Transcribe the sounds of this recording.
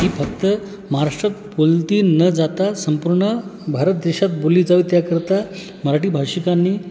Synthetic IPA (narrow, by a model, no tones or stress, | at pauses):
ɦiːfək̚t̪ə | maɦaɾaʂʈɾat̪̚bolt̪iːnəd͡zat̪asəmpuɾɳəbʱaɾət̪̚d̪eɕat̪boliːd͡zaʋut̪jakəɾt̪a | məɾaʈiːbʱaɕikanːiː